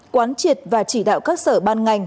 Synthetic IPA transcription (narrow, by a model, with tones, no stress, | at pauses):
kwaː˨˦nt͡ɕi˨˩ət̚vaː˨˩t͡ɕi˧˩ɗa̰ː˧˨wkaː˦˥k̚səː˧˩ɓaː˧nŋa˨˩jŋ̟